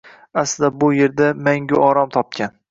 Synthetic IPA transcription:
aslɪd̪abʊje̞ɾd̪amaŋɡʲʊʔɒɾɒmt̪ʰɒp̚kʲan

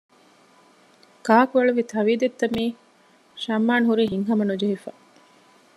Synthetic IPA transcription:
kaːkuʋɐɭuʋit̪ʰɐʋiːd̪et̪ːɐmiː | ʃɐmːaːnɦuɾiːɦiŋɦɐmɐnud͡ʒɐɦifa̰ː

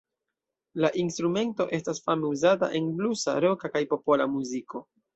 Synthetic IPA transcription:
laʔinstɾume̞nto̞ʔe̞stasfameuzata̰ʔe̞nblusa̰ɾo̞kakajpo̞po̞lamuziko̞

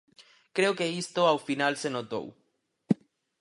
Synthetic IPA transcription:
kɾe̞oke̞ist̪o̞awfinalse̞no̞t̪o̰w

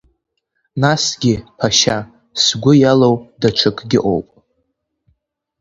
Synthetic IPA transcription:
nasɡʲɪpʰaʃa | sɡʷʊjalowdaʈ͡ʂʷʰɨkʼɡʲɪʔo̰wpʼ

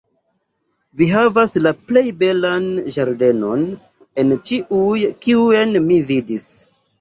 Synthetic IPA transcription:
viɦavaslaple̞jbe̞lanʒaɾde̞no̞n | e̞nt͡ʃiʔujkiue̞nmividis

